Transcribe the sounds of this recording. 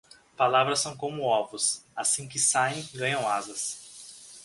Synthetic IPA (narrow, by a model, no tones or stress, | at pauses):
palavɾɐsːɐ̃w̃kõmʊɔvʊsasĩkɪsaẽj̃ɡɐ̃ɲɐ̃w̃azɐs